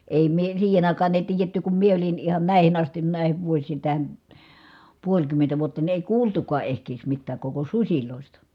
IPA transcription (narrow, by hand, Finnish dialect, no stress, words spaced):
eˑi mie siːhen ɑˑikɑːn eˑi̯ tiːjetːy kum mie olin ihɑn næˑihin ɑstin næˑihiʋ ʋuosˑiːn̞ tæhæn̞ puolʲkymːentæ ʋuotːɑ ni eˑi kuːltukɑː ehkeːs mitːæːk koko susʲiloˑistɑ